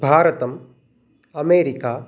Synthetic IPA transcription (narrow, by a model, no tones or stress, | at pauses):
bʱaːɾɐt̪ɐm | ɐmeːɾikaː